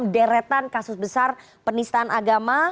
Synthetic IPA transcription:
mdɛɾɛt̪ankasʊsbəsar | pənist̪aːnʔaɡama

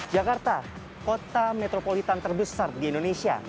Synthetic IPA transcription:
d͡ʒakart̪a | kot̪amet̪ɾopolit̪ant̪ərbəsardiindonesia̰

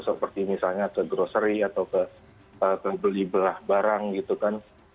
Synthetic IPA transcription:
səpərt̪imisalɲakəɡɾosəɾiat̪awkə | ət̪əbəlibəlahbaɾaŋɡit̪ukan

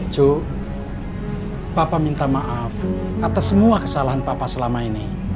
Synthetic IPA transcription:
ʒ̥o̤ | papamint̪amaʔaf | kat̪asːəmuakəsalaɦanpapasəlamaini

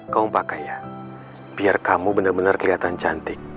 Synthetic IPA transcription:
kauŋpakaja | b̥iarkamubənarbənarkəliat̪ant͡ʃant̪ɪk̚

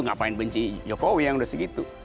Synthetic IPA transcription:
uŋapaɪnbəɲt͡ʃid͡ʒokowijaŋudasəɡit̪u

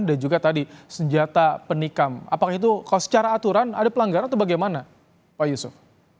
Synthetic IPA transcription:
ndad͡ʒuɡat̪adisəɲd͡ʒat̪apənikama̰pakait̪ukalosə̥t͡ʃaɾaːt̪uɾanadapəlaŋɡaɾanat̪ubaɡajmana | pajusʊf

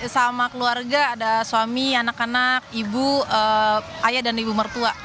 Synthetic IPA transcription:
samakəluarɡaːdasuamianakanak̚ibuə | ajadanibumərt̪ua

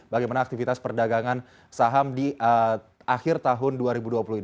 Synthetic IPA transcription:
baɡajmanaːk̚t̪ifit̪aspərdaɡaŋan | saɦamdiʔə | ʔaxɪrt̪aɦʊnduaɾibuduapuluin

